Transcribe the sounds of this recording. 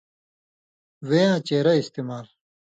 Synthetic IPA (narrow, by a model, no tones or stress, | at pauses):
weːãːt͡ɕeːɾɐist̪iːmaːl